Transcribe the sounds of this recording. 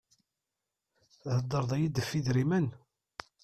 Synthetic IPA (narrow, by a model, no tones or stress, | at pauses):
ðəd̪ˤːəɾˤðˤɑjid̪əfːiðɾimən